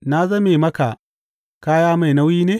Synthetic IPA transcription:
na˦zɐ˦me˨mɐ˦ka˨ | kaː˦jaː˦ma˨jna˦wjiː˦neː˦

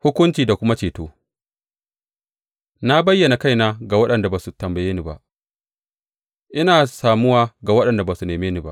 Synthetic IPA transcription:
hʊ˦kʷʊ˦nt͡ʃiː˨da˨kʷʊ˦ma˦t͡ʃeː˨toː˦ | na˦bɐ˦jːɐ˨na˨ka˦jnaː˦ɡa˨wɐ˦ɗɐ˨nda˨baː˨su˨tɐ˨mbɐ˨jeː˦ni˦ba̰˨ʔ | ʔɪ˦naː˨saː˨mʊ˦waː˦ɡa˨wɐ˦ɗɐ˨nda˨baː˨su˨neː˨meː˦niː˦ba̰˦ʔ

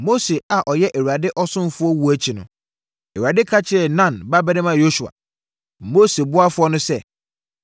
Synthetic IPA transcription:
mo˦se˨a˨ʔɔ˨jɛ˦ʔe˨wu˨ɾa˨dɪ˦ʔɔ˦sʊ̃˦m˦fʊ˦ɔ˦wu˨æ˦t͡ɕʰi˨nʊ̰̃˨ | e˨ɥu˨a˨dɪ˦kʰa˦t͡ɕʰɪ˦ɛ˨nã˦˨nba˦bɛ˦nã˦mã˨jo˦su˨a̰˨ | mo˦se˨bʊ˦a˦fʊ˦ɔ˦nʊ̃˦sɛ˦˨

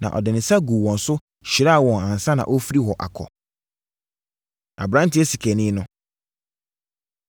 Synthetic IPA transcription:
nã̰˨ʔɔ̰˨dɪ˨nɪ̃˨sa˦ɡu˨wɔ̃˨n̩˨sʊ˦ | ɕi˨ɾa˦˨wɔ̃˨nã˨n̩˨sa˦nã̰˨ʔo˦fi˦ɾi˦hɔ˨ʔa̰˨kʰɔ̰˨ | ʔã̰˨bɾã˦n˦tɪ˦ɛ˦si˨kʰɛ˨nɪ̃˦nʊ̃˦

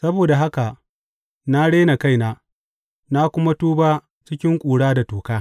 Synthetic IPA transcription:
sɐ˦boː˨da˨ɦa˦ka˨ʔ | na˦ɽeː˦na˨ka˦˨jnaː˦ | na˦kʷʊ˦ma˦tuː˦baː˦ | t͡ʃɪ˦kʲɪ˦ŋkʷʼuː˨ɽaː˦da˨toː˨kaː˦

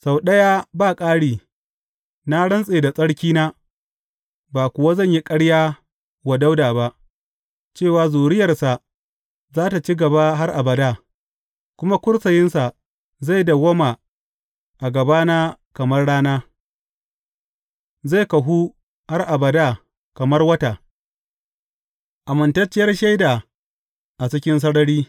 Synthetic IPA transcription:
sa˨wɗɐ˦jaː˦baː˦˨kʼaː˦ɽiː˨ | na˦ɽɐ˦nsʼeː˨da˨sʼɐ˦ɽkʲiː˦naː˦ | baː˨kʷʊ˨wa˦zɐ˦˨ɲji˦kʼɐ˦ɽjaː˦ | wa˨da˦wdaː˨ba˦ʔ | t͡ʃeː˦˨waː˨zoː˨ɽɪ˦jɐ˨rsa˨ʔ | zaː˦ta˨t͡ʃi˦ɡɐ˨ba˦ɦa˦rʔa˨bɐ˨daː˦˨ | kʷʊ˦ma˦kʷʊ˦ɽsɐ˨jɪ˦nsa˨ | za˦˨jda˨ɡɐ˦ma˨ | ʔa˨ɡɐ˨baː˦naː˦kɐ˨mɐ˦rɽaː˦naː˦ | za˦˨kɐ˨ɦuː˦ | ha˦rʔa˨bɐ˨daː˦˨ | kɐ˨mɐ˦rwɐ˦ta˨ | ʔa˨mɐ˨ntɐ˦t͡ʃːɪ˦jɐ˦rʃa˦jdaː˨ | ʔa˨t͡ʃɪ˦kʲɪ˦ns̬ɐ˦ɽɐ˦ɽiː˦

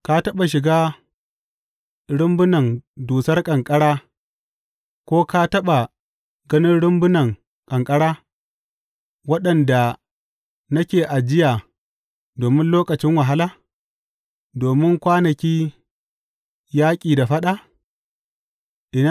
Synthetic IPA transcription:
ka˦tɐ˦ɓa˨ʃ̬ɪ˨ɡaː˦ | ɽʊ˦mbʊ˦nɐ˨nduː˨sɐ˦rkʼɐ˨ŋkʼɐ˦ɽaː˦ | kʷoː˦ka˦tɐ˦ɓa˨ | ɡɐ˦nɪ˦nɽʊ˦mbʊ˦nɐ˨ŋ | kʼɐ˨ŋkʼɐ˦ɽaː˦ | wɐ˦ɗɐ˨nda˨ | nɐ˦kʲeː˨ʔa˨d͡ʒɪ˦jaː˨ | doː˨mɪ˦nloː˦kʼɐ˨t͡ʃɪ˦ŋwa˨ɦa˦laː˦ | doː˨mɪ˦ŋkʷaː˦nɐ˨kʲiː˦ | jaː˦kʲʼiː˨da˨ɸɐ˦ɗa˦ | ʔɪ˨na˦

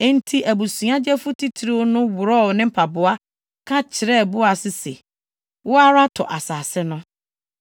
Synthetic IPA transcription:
ɛ˦n̩˦tʰi˦ʔæ˨bu˨sũ˨˦ã˦d͡ʑɛ˦fʊ˦tʰi˦tʰi˨˦ɾi˦wo˦nʊ̃˦wʊ˨ɾɔ˦˨nɪ̃˦m̩˦pʰa˨bʊ˨a˦ | kʰã˦t͡ɕʰɪ˨ɾɛ˦˨bʊ˦a˨sɪ˦sḛ˨ | wʊ˦a˦ɾa˦tʰɔ̰˨ʔa˨saː˨sɛ˦nʊ̃˦

